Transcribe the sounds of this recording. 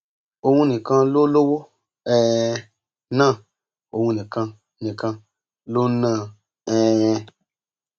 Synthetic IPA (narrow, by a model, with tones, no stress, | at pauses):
o˦wũ˦nĩ˨kã˦lo˦lo˦wo˦ | ɛ˦˨ | nã˦˨ | o˨wũ˦nĩ˨kã˧ | nĩ˨kã˧˦ | lo˦nã˦˨ | ɛ˦ɛ̃˧